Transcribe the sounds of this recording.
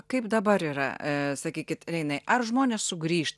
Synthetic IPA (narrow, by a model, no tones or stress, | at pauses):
kɐɪpd̪ɐbɐɾiːɾɐ̰sɐkʲiːkʲɪt̪ɾʲɛɪnɐɪʔɐrʒmoːnʲeːssʊɡɾʲiːʃt̪